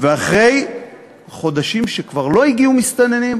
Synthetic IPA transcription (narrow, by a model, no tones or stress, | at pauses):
veaχʁe̞j | χo̞d̪aʃimʃekvaʁlo̞iɡiumist̪ane̞nim